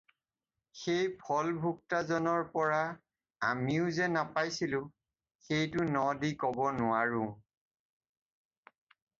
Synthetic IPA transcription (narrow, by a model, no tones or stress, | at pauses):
xejpʰɔlbʱuk̚tazɔnɔɹpɔɹa | amiʊzɛnapajsilʊ̃ | xejtʊnɔdikɔbɔnʊaɹʊ̃